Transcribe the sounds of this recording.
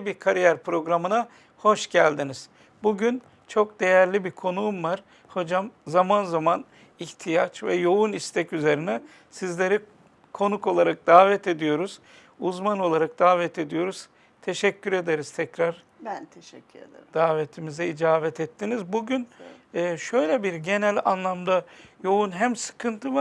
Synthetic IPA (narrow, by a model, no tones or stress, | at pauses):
biɾkʰaɾijæɾpɾo̞ɡɾamɯna | ho̞ʃɟælʲd̪iniz̥ | buɟyn | t͡ʃʰo̞k̚d̪̥e̞jæɾlʲibiɾkʰo̞nuumvaɾ̥ | ho̞d͡ʒamzamanzaman | içt̪ʰijat͡ʃvɛjo̞unist̪ʰɛcyze̞ɾinɛ | sizlʲe̞ɾi | kʰo̞nuko̞lˠaɾak̚d̪̥aːvɛt̪ʰe̞d̪ijo̞ɾuz̥ | uzmano̞lˠaɾak̚d̪̥aːvɛt̪ʰe̞d̪ijo̞ɾuz̥ | t̪ʰe̞ʃɛcʰːyɾe̞d̪e̞ɾiz̥t̪ʰɛcɾaɾ̥ | t̪ʰʃd̪̥aːvet̪ʰimizɛid͡ʒaːvɛt̪ʰɛt̪ʰːinizbuɟynɯːʃø̞jlʲɛbiɾɟe̞nælʲanlˠamd̪ajo̞unɦæmsɯ̥kʰɯnt̪ʰɯvaɾ